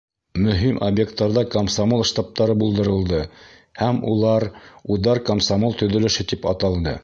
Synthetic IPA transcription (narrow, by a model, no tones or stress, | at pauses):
mɵ̆ɦimʔobjekt̪ːɑɾðɑkomsamolˠʃt̪ɑp̚t̪ɑɾɤbulˠd̪ɤ̆ɾɤ̆lˠd̪ɤ | hæmṵlˠɑɾuðɑɾkomsamolˠt̪ɵ̆ðɵ̆lɘ̆ʃɘt̪ipɑt̪ɑlˠd̪ɤ